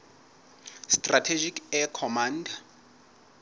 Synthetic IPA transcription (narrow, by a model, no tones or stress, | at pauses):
stʼratʰed͡ʒikɛkʰɔmanda